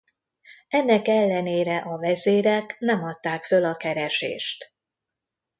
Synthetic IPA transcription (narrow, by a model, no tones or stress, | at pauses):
ɛnːɛkɛlːɛneːɾɛʔɒvɛzeːɾɛknɛmɒt̪ːaːkfølɒkɛɾɛʃḛːʃt̪